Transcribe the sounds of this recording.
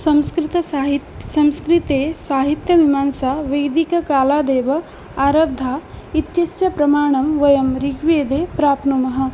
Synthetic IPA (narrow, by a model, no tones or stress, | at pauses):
sɐmskɾɪt̪ɐsɦt̪sɐmskɾit̪eːsaːɦit̪jɐʋimaːnsaːʋɐjd̪ikɐkaːlaːd̪eːʋɐ | aːɾɐb̚d̪ʱaːit̪jɐsjɐpɾɐmaːɳ̃ɐmʋɐjɐmɾiɡʋeːd̪eːpɾaːpnumɐɦɐ̆